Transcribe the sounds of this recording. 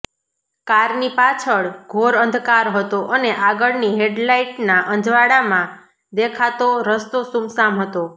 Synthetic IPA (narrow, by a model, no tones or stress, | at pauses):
kaɾnipat͡ʃʰəɭɡʱoɾənd̪ʱkaɾɦət̪oʔəneʔaɡəɭniɦeɖlaiʈnaʔə̃nd͡ʒʱʋaɽamã | d̪ekʰat̪oɾəst̪osumsamɦət̪o